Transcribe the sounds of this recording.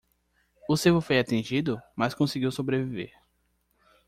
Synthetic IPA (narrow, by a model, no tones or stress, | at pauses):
ʊsevʊfojat̪ẽd͡ʒid̪ʊmaskõsiɡiwsobɾevivḛɾ